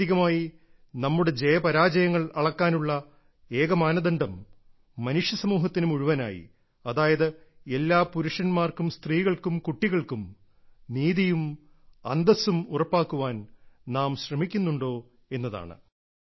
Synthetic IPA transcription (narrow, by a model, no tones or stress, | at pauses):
iɣɐmaːji | nɐmːuɽe̞d͡ʑejɐpɐɾaːd͡ʑɐjɐŋːɐɭɐɭɐkːaːnuɭːɐ | e̞ːɣɐmaːnɐðɐɳɖɐmː | ɐnuʂjɐsɐmuːɦɐt̪ːinumuɻuʋɐna̰ːjḭ | ɐðaːjɐðɨe̞lːaːpuɾuʂɐnmaːrkumst̪riːɣɐɭkumkuʈːiɣɐɭkum | niːðijum | ɐ̰nd̪ɐsumurɐpːaːkːuʋaːnnaːmɕrɐmikʲːunːuɳɖo̞ː | e̞nːɐða̰ːɳɨ̰